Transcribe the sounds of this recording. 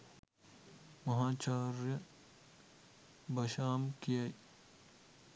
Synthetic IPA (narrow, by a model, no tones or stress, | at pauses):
mɐɦaːt͡ʃaːɾjɐ | bɐʃaːmkijaj